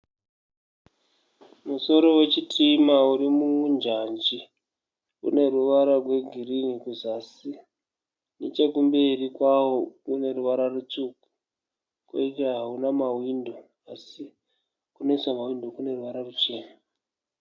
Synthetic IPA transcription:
muso̞ɾo̞we̞t͡ʃitʰimauɾimuund͡ʒand͡ʒi | ṵne̞ruʋaɾarwe̞ɡʱiriŋikuzasi | net͡ʃekumbe̞rikwawokune̞ruʋaɾarut͡ʃuku̥ | kwḛiveɦaunamawindo̞ | asi | kunesamawindo̞kune̞ruʋaɾarut͡ʃe̞ːna

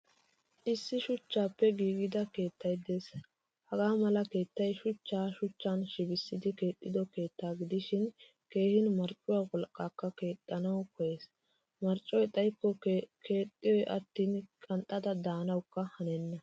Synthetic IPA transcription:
ʔɪsːɪʃʊt͡ʃːaːpːɛɡiːɡɪd̪ɐke̞ːt̪ːɐjd̪e̞ːs | hɐɡaːmɐlɐke̞ːt̪ːɐjʃʊt͡ʃːaːʃʊt͡ʃːanʃɪbɪsːɪd̪ɪke̞ːt̪ʼːɪd̪ɔke̞ːt̪ːaːɡɪd̪ɪʃɪn | ke̞ːhɪnmɐɾt͡ʃʼʊwaːwɔlkʼːaːkːɐke̞ːt̪ʼːɐnɐwkɔje̞ːs | mɐɾt͡ʃʼːɔjt̪ʼɐjkːɔke̞ːt̪ʼːɪjɔjʔɐt̪ːiːnkʼɐnt̪ʼːɐd̪ɐd̪aːnɐwkːɐhɐnɛnːɐ

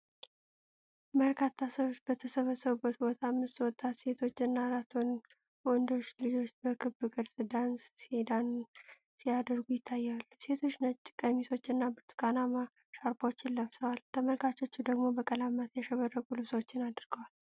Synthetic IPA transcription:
məɾkʰat̪ʰːasəwot͡ʃːbət̪ʰəsəβəsːəβubːət̪bo̞t̪ʰamːɨst̪wɔt̪ʼːat̪se̞t̪ʰo̞t͡ʃːɨnːaɾat̪ʰon | wɔnd̪o̞t͡ʃːlɨd͡ʒo̞t͡ʃːbəkʰɨbɨkʼɨɾzɨd̪anssed̪an | sijad̪əɾɡujɪt̪ʰːajːalːuse̞t̪ʰo̞t͡ʃːnət͡ʃʼːɪ̥kʼəmiso̞t͡ʃːɨnːabɨɾt̪ʰu̥kʼanama | ʃaɾbawot͡ʃːɪlləβsəwalt̪ʰəməlkʰat͡ʃo̞t͡ʃːud̪əɡmo̞bəkʼəlamːat̪jɛʃəβərːəɡulɨβswoot͡ʃːɪnad̪ɨɾɡəwal

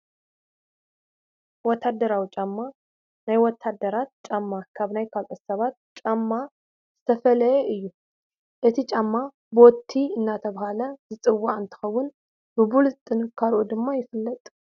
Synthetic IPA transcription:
wɔt̪ʰːad̪ːəɾawit͡ʃʼamːa | najwɔt̪ʰːad̪əɾat̪̚t͡ʃʼamːakʰaβnajkʰalt̪ʼəssɐβat̪̚t͡ʃʼamːa | z̥ɨt̪ʰəfələjeʔɨjːu | ʔɨt̪ʰit͡ʃʼamːa | bo̞t̪ʰːiɨnːat̪ʰəβahaləzɨsʼɨwːant̪ʰɨ̥xəwːʊn | bɨbulzɨt̪ʼːɨnɨkʰːaɾod̪ɨmːajɪfɨlːət̪ʼ

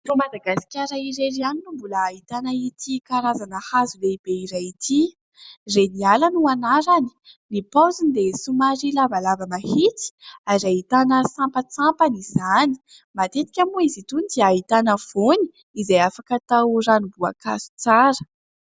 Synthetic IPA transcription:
rumad̪aɡasi̥kʲaɾaiɾeɾianinumbuləːit̪anəit̪ikaɾazanəhazuleib̥eiɾajit̪ʰi | renialanuanaɾani̥ | nipawzinid̪esumaɾilavalavamahit̪i̥aɾait̪anəsampət͡sampaniz̥ani̥ | mat̪et̪i̥kʲamuizit̪unid̪iaɦit̪anəv̥oni̥ | izejafakat̪awranubua̰ka̰su̥t͡saɾə̥

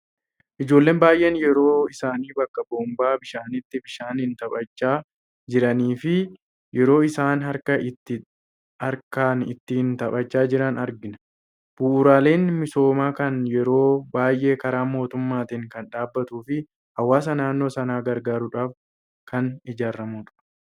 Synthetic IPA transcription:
ʔɪd͡ʒo̞ːlːe̞ːnbaːjʔe̞ːnjɛɾo̞ːɪsaːniːbɐkːɐboːmbaːbɪʃaːnɪt̪ːɪbɪʃaːnhɪnt̪ɐpʼɐt͡ʃːaː | d͡ʒɪɾɐniːfɪ | jʔɛɾo̞ːɪsaːnɦɐɾkɐɪt̪ːɪ | hɐɾkaːnɪ̰t̪ːɪhɪnt̪ɐpʼɐt͡ʃːaːd͡ʒɪɾɐnɐɾɡɪnɐ | b̥uːʔʊɾaːle̞ːnmɪso̞ːmaːkɐnjɛɾo̞ːbaːjʔe̞ːkɐɾaːmo̞ːt̪ʊmːaːt̪ɪŋkɐnᶑaːbːɐt̪uːfɪ | hɐwːaːs̬ɐnaːnːo̞ːsɐnaːɡɐɾɡaːɾʊᶑaːf | kɐnɪd͡ʒaːɾːɐmuːᶑ̪ʊ̥

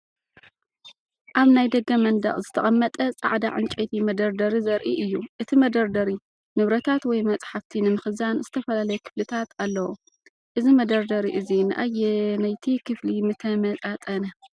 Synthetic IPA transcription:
ʔaβnajd̪ɐɡɐmɐnd̪ɐ̰χʼzɨt̪ʰɐχʼɐmːɐt̪ʼɐt͡sʼa̰ʕd̪a̰ʕɨnt͡ʃʼet̪ʰimɐd̪ɐɾd̪ɐɾizɐɾʔiʔɨjːuʔɨt̪ʰimɐd̪ɐɾd̪ɐɾi | nɨβɾɐt̪ʰat̪wɔjmɐt͡sʼħaft̪ʰinɨmɨxɨzanz̥ɨt̪ʰɐfɐlalɐjɛkʰɨ̥flɨt̪ʰat̪ʰalːɐwṵ | ʔɨzimɐd̪ɐɾd̪ɐɾiʔɨzinɨʔajenajt̪ʰikʰɨflimɨt̪ʰɐmɐt̪ʼat̪ʼɐnɐ

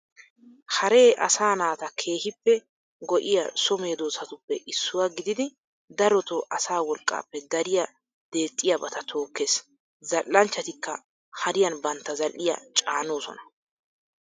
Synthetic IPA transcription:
hɐɾe̞ːʔɐ̰saːnaːt̪ɐkʰe̞ːhɪpːɛ | ɡɔʔɪjɐ̰sɔme̞ːd̪oːsɐt̪ʊpːɛʔɪsːʊwaɡɪd̪ɪd̪ɪ | d̪ɐɾɔt̪ɔʔɐsaːwɔlkʼːa̰ːpːɛd̪ɐɾɪjɐ | d̪̥e̞ːt̪ʼːɪjɐbɐt̪ɐt̪ʰo̞ːkːeːs | zɐlːɐnt͡ʃːɐt̪ɪkːɐ | hɐɾɪjɐnbɐnt̪ːɐzɐlːɪjɐ̰t͡ʃʼaːno̞ːsɔ̰nɐ̥

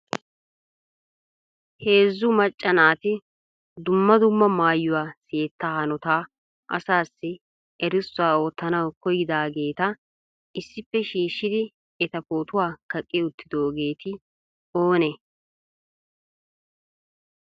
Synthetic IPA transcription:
he̞ːzːʊmɐt͡ʃʼːɐnaːt̪ɪ | d̪ʊmːɐd̪ʊmːɐmaːjːʊwaːseːt̪ːaːhɐnɔt̪aː | ʔɐ̰saːsːɪ | ɛɾɪsːʊaːo̞ːt̪ːɐnɐwkɔjɪd̪aːɡe̞ːt̪ɐ | ɪsːɪpːɛʃiːʃːɪd̪ɪ | ɛt̪ɐpoːt̪ʊwaːkɐkʼːɪʊt̪ːɪd̪oːɡe̞ːt̪ɪ | oːne

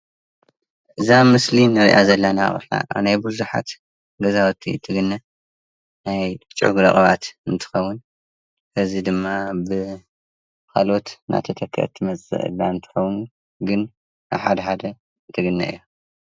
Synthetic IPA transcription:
ʔɨzamɨslinɨɾḭʔazɐlːanaχʼɨ̰ħa̰najbɨzuħa̰t̪ | ɡɐzawt̪ʰːḭt̪ʰːɨɡɨnːɐ | najt͡ʃʼʊ̰ɡuɾɐχʼɐβat̪ɨnt̪ʰɨ̥xɐwːʊn | kʰɐzid̪ɨmːabɨ | kʰalo̞t̪nʔa̰t̪ʰɐt̪ʰɐkʰːɐ̰t̪ʰːɨmɐt͡sʼɨ̰ʔɨ̰lːaɨnt̪ʰɨ̥xɐwunu | ɡɨn | ʔa̰βħad̪ɐħad̪ɐ | t̪ʰɨɡɨnːɐʔɨ̰jːo

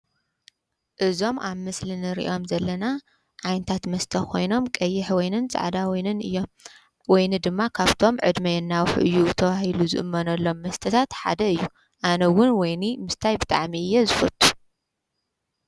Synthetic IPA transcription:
ʔɨzo̞mʔaβmɨslinɨɾḭʔo̞mzɐlːɐna | ʕajnt̪ʰat̪mɐst̪ʰɐkʰo̞̰jno̞mkʼɐjːɪħwɔjnɨnsʼa̰ʕd̪awjnɨnɨ̰jːo̞m | wɔjnɨd̪ɨmːakʰaβt̪ʰo̞mʕɨd̪mɐjɛnːawħʔɨjːut̪ʰɐwahiluzɨ̰ʔɨmːɐnɐlːo̞mːɐst̪ʰɐt̪ʰat̪ħa̰d̪ɐɨjːu | ʔanɐwʊnwɔjnimɨst̪ʰajbɨt̪ʼa̰ʕmiɨjːezɨfɐ̰t̪ʼːu̥

